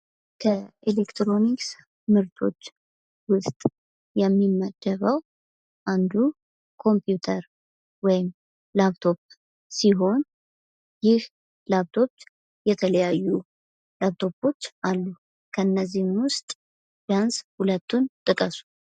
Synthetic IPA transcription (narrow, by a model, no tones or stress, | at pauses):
kʰəelekt̪ʰɾo̞niks | mɨɾt̪ʰo̞̰t͡ʃː | wʊst̪ʼ | jɛmːimːəd̪̥ːəβəw | ʔand̪u | kʰo̞mpʰjut̪ʰəɾ | wɔjɪm | laβt̪ʰo̞p̚ | siɦo̞n | jɪh | laβt̪ʰo̞p | jɛt̪ʰələjajːu | laβt̪ʰo̞po̞t͡ʃːʔalːu | kʰəɨnːəzːihmwʊst̪ʼ | d̪̥anshulət̪ʰːunt̪ʼɨkʼəsu̥